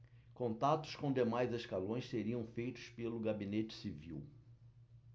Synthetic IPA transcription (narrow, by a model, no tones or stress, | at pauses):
kõnt̪at̪ʊ̥skõd̪emajzeʃkalõj̃sseɾiɐ̃w̃fejt̪ʊ̥spelʊɡabinet͡ʃɪ̥siviw